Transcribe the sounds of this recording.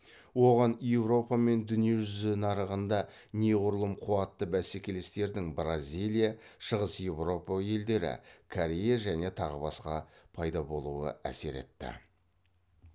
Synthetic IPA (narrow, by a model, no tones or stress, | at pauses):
wo̞ʁɑnjewro̞pame̞nd̪ʏnije̞ʒʏzɪnɑɾəʁənd̪ɑ | neʁʊɾlˠəmqʰuɑt̪ːəbæse̞kʲe̞le̞st̪e̞ɾd̪ɪŋbrazʲijlʲˠijaʃəʁəsje̞wro̞paje̞ld̪e̞ɾɪ̰kʰoɾʲe̞jaʒæne̞t̪ʰɑʁəbɑsqɑpʰɑjd̪ɑbo̞lˠuə̰æ̰se̞̰ɾe̞̰t̪ːɪ̰